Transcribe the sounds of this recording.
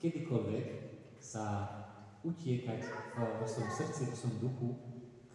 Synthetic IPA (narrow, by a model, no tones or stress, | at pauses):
kɛd̪ikɔlʋɛk | sa | ucɪɛkacvɔsʋɔmsr̩t̪t͡sivɔsʋɔmd̪uxu